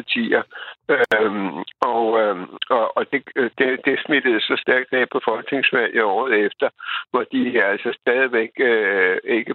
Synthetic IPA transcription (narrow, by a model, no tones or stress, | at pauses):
ɑt͡sʰḭːɐ | ɒ̽ɒɒ̽d̥e̝d̥ed̥e̝smed̥əð̩ˠsɒ̽sd̥æɐɡ̥ʋeɡ̥̚pʰɒ̽fɒ̽lɡ̥ne̝ŋsʋæl̰jɒ̰ːð̞̩ˠefd̥ɐʋɒd̥iæl̰sɒsd̥ɛːð̞ˠiʋeɡ̥øe̝ɡ̥ə